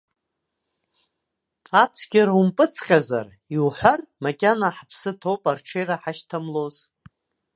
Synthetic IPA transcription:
atʷʰɡʲaɾaumpʼɨt͡sʰqʲʼaza̰r | iwħʷarmakʲʼanaħapʰsɨtʰopʼarʈ͡ʂʰejɾaħaʃtʰamloz̥

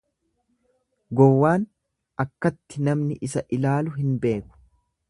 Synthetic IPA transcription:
ɡɔwːaːn | ʔɐkːɐt̪ːɪnɐmnɪʔɪsɐʔɪlaːlʊɦɪnbe̞ːkʊ̥

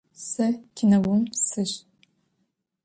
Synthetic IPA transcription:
sɐkʲʰɪnɐwʊmsɨɕ

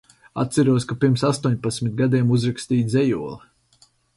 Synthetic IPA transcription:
a̰t̪t̪sæɾuɔskapiɾmsast̪uɔɲpat̪sʲmit̪̚ɡad̪ʲiɛmuzɾakst̪iːzʲɛjuɔlˠi

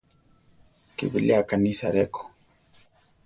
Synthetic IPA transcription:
kḭbiliakanisa̰ɾeko̥

